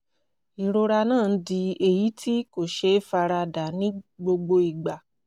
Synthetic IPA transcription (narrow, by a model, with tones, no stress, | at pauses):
i˨ɾo˧ɾa˧nãː˦˨˦di˧e˨ji˨˦tʰi˦ko˦˨ʃe˧˦fa˧ɾa˧da˨nĩ˦ɡ͡bo˧ɡ͡bo˧i˨ɡ͡ba˨